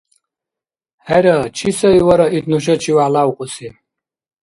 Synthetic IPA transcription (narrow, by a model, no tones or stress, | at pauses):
hɛɾɐt͡ʃʰisɐjwɐɾɐit̪nuʃ̬ɐt͡ʃʰiwalawuqʼusi